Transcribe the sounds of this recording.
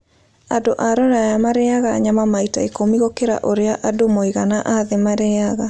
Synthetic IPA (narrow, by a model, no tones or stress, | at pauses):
adoʔaɾɔɾajamaɾɛaɣaːɲamamaitaekomiɣokeɾa̰ʔoɾeaʔadomoiɣanaʔaðemaɾɛaɣa